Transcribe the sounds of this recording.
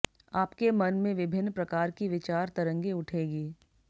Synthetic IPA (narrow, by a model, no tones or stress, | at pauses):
aːpkemɐnmẽʋɪbʱɪnːpɾɐkaːɾkiʋɪt͡ʃaːɾt̪ɐɾə̃ŋɡeʊʈʰeːɡiː